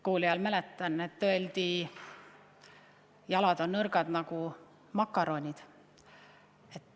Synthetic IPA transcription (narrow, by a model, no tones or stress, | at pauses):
kuːliɑlmælet̪ˑːɑnet̪ːøe̞ld̪̥i | jɑlɑd̪̥o̞nːɤrɡ̥ɑd̪̥nɑɡu | mɑkːˑɑɾo̞nʲid̪̥ | e̞t̪ː